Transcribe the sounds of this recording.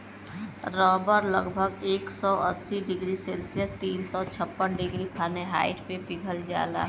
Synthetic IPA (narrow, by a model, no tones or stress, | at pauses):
ɾɔːbəɾləɡbʱəɡeːksɔʔəsːiɖɪɡɾiseːlsijət̪iːnsɔt͡ʃʰəpːənɖɪɡɾikʰaːneɦa̰ːɪʈpebɪɡʱəld͡ʒa̰ːla̰ː